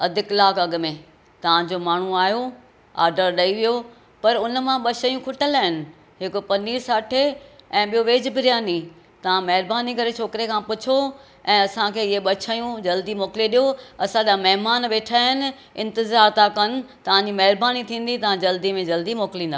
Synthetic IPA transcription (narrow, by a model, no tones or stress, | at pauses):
ɐd̪ʱɪklaːkɐɡʊ̆mẽ | t̪ɐʋ̤ãd͡ʑomaːɳ̤uaːɦjo | a̰ːɾɖəɾɗɐiʋijo | pɐɾʊnmãɓɐʃəjũkʰʊʈəlaːɪnɪ̆ | ɦɪkopɐniːɾsaːʈʰeɛ̃ːɓijoʋeːd͡ʑbɪɾijaːni | t̪ɐʋ̤ãmɐɦɪɾbaːnikɐɾet͡ɕʰoːkɪɾekʰãpʊt͡ɕʰo | ɛ̃ːɐsãkʰeːɪɦeɓɐt͡ɕʰəjũd͡ʑɐld̪imoːkɪleɗijoɐsãd͡ʑamɐɦɪmaːnʋeːʈʰaːɦɪnɪ̆ | ɪ̰̃nt̪ɪzaːɾt̪ãkɐn̆t̪ɐʋ̤ãɲd͡ʑimɐɦɪɾbaːnit̪ʰĩːn̆d̪it̪ɐʋ̤ãd͡ʑɐld̪imẽd͡ʑɐld̪imoːkɪlĩːnd̪aː